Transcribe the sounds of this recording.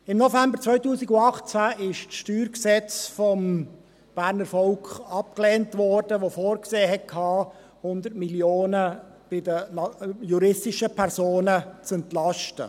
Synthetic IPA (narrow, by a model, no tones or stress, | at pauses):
ɪmnɔfæmbəɾt͡svœʏtuːsɪɡʊɑχt͡sæɪʃt͡sʃtyːɾksɛt͡sfɔm | b̥æːɾnəɾfɔlkχɑp̚kleːntvɔrd̥əʋofoːɾkseːɦɛt̚kʰhɑː | hʊnd̪ətmiljoːnəb̥ɪdəjuɾɪstɪʃəpʰɛɾsoːnət͡sɛntlɑʃtə̰